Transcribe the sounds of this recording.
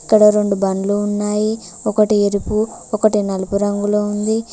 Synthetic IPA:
kːɐɽɐɾo̞ɳɖubɐnluːnːaːji | ɔkɐʈieɾipu | ɔkɐʈinɐlupuɾɐŋɡuloːund̪i

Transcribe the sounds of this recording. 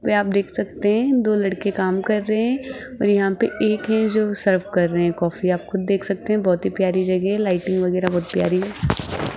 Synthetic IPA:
ʋeaːp̚d̪eːkʰsɐk̚t̪eɦɛ̃d̪oːlɐɽkekaːmkɐɾːɐɛ̃ | ɔːɾjɐɦãpeeːkɦɛ̃d͡ʒoːsɐɾfkɐɾːɐɦeɦɛ̃kɔːfiaːpxʊd̪̚ːeːkʰsɐk̚t̪eɦɛ̃bɔːt̪ɦipjaːɾid͡ʒɐɡɛɦɛlaːɪʈɪ̃ŋɡʋɐɣɛːɾabɔːt̪pja̰ːɾiɦɛː

